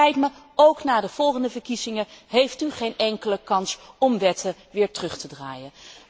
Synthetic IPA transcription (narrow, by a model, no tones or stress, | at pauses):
ɛjtmə | owknaːdəv̥ɔlˠχəndəvəɹkizɪŋəɦejftyχejnʔɛŋkələkɑnsɔmʋɛtəʋɪːɹtərɵχtədra̰ːjən